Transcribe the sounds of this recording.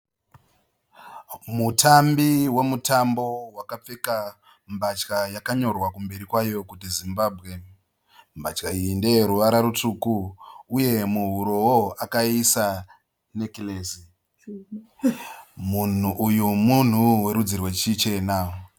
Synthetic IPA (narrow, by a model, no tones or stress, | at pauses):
mutʰambiwe̞mutʰambo̞wakap͡fe̞ka | mbat͡ʃkajakaɲo̞rwakumbe̞ɾikwajo̞kutizimbabʱɣe̞ | mbat͡ʃkainde̞ɾuʋaɾaɾut͡ʂuːkuːje̞muɦuɾo̞woakaisa | nekileːsi | mun̤uʔujumun̤uwe̞ɾud͡zirwe̞t͡ʃit͡ʃe̞na